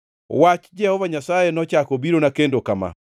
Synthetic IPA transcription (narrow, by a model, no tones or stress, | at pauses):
o̰wat͡ʃi̥d͡ʒɛhɔβaɲasajenɔt͡ʃakobiɾonakeːndokama̰